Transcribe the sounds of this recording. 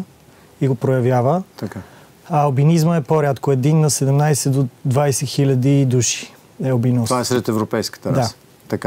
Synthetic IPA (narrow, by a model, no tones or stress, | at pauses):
iɡopɾojɐvjavət̪ɐka | ɐwbinizməɛpoɾʲjat̪koɛd̪inːɐsɛd̪ɛmnajsɛd̪od̪vajsɛxilʲɐd̪id̪uʃi̥ | ɛobinɔvaɛsɾɛt̪ɛvɾopɛjskə̥t̪ədɾa | t̪ɐka